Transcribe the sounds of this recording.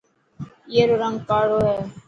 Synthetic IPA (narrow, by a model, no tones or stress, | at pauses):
eːɾoːɾəŋɡpaːɽoːɦɛː